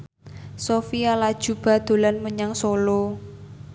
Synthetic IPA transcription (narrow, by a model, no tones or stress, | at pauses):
sofialad̥ʒ̥ṳb̥ä̤d̪̥o̤lanməɲaŋsolo